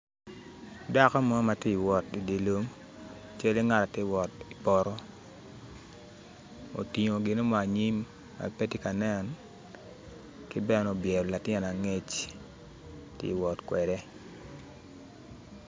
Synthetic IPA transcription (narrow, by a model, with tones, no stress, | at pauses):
da˦kɔ˦mɔ˦ma˨ti˦˨wɔ˨ti˨de˨lo˦m | t͡ʃe˦li˦ŋa˦ta˨tɪ˦wɔ˨ti˨pɔ˨ɾɔ˦ | o̰˨ti˨ŋo˨ɡɪ˨no˦maː˨ɲi˦m | a̰˨pe˦ti˦ka˨nɛ˦˨n | kɪ˦bɛ˦no˨bjɛ˨ɾɔ˨la˨tɪɛ˦na˨ŋe˦t͡ʃ | tɪ̰˦˨wɔ˨tkwɛ˨dɛ˦